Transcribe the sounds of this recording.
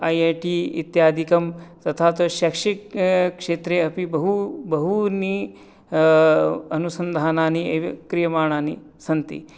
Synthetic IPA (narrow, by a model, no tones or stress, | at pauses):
ɐjeʈiḭt̪jaːd̪ʱikɐmt̪ɐt̪ʰaːt̪ɐʃɐkʂikkʂeːt̪ɾeɐpibɐɦubɐɦuni | ɐnusɐnd̪ʱaːnaːnieʋkɾijɐmaːɳaːni | sɐnt̪ḭ